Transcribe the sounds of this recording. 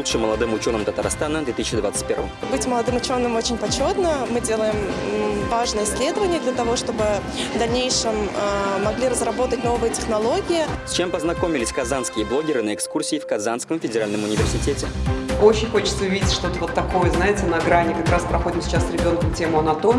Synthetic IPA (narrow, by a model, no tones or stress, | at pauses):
ut̪ʂɨmːəlˠɐd̪ɨmʊt͡ɕo̞nɨmt̪ət̪aɾst̪anəd̪vʲet̪ɨsɪɕɪd̪vat̪ɨtʲpʲe̞rvə̰mbɨtʲməlˠɐd̪ɨmʊt͡ɕo̞nːɨmo̞t͡ɕɪnʲpɐt͡ɕo̞t̪nəmɨdʲe̞lˠəjɪmvaʐnɨjəɪsʲlʲe̞d̪əvənʲɪjəd̪lʲɐt̪ɐvo̞ʂt̪o̞bɨ | vd̪ɐlʲnʲejʂɨmamɐɡlʲiɾəzrɐbo̞t̪ətʲnovɨjətʲɪxnɐlˠo̞ɡʲɪjɪsʲt͡ɕempəznɐko̞mʲɪlʲɪsʲkɐzanskʲɪjəblˠo̞ɡʲɪɾɨnəɛkskursʲɪːfkɐzanskəmfʲɪdʲɪɾalʲnəmʊnʲɪvʲɪrsʲɪtʲetʲɪot͡ɕɪnʲxo̞t͡ɕɪt̪səʊvʲidʲɪtʲʂt̪o̞t̪əvo̞t̪ːɐko̞jəznaɪtʲɪnɐɡɾanʲɪkɐkɾaspɾɐxo̞dʲɪmsʲɪ̥t͡ɕasɾʲɪbʲo̞nkəmtʲemʊɐnɐt̪omʲ